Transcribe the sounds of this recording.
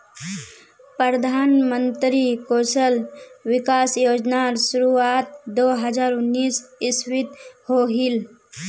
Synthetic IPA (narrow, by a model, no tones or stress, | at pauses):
pəɾəd̪ʱaːnmə̃nt̪ɾikoːsəlwɪkaːsjoːd͡ʒnaːɾsʊɾuaːt̪̚d̪oːɦəd͡ʒaːɾʊnːiːsɪswɪt̪hoːɦil